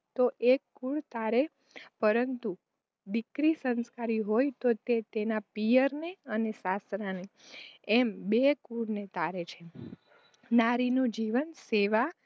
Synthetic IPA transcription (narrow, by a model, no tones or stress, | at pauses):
t̪oʔekːuɭt̪aɾe | pəɾənt̪u | d̪ikɾisənskaɾiɦojt̪ot̪et̪enapijəɾneənesasɾaneembekuɽnet̪aɾet͡ʃʰe | naɾinũd͡ʒiʋənseʋa